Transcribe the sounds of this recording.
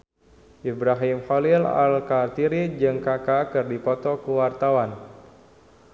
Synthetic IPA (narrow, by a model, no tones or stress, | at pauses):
ʔibɾaɦimhɔlila̰lkat̪iɾid͡ʒɨŋkakakɨrdipɔt̪ɔkuwart̪awan